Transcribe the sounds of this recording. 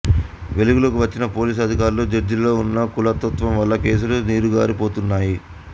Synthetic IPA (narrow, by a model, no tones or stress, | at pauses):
ʋe̞luɡulɐkuʋɐt͡ʃːinɐpo̞ːliːs̬ɐd̪ʱikaːɾuloːd͡ʒɐɾd͡ʒilɐlo̞ːunːɐkulɐt̪ːɐt̪ʋɐmʋɐlːɐke̞ːsuluniːɾuɡa̰ːɾipo̞ːt̪unːaːji